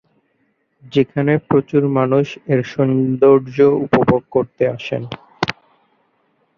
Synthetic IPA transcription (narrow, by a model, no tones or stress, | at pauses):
d͡ʑekʰanepɾot͡ɕuɾmanuʃeɾʃɔnd̪oɾd͡ʑoupobʱoɡ̚koɾt̪eaʃḛn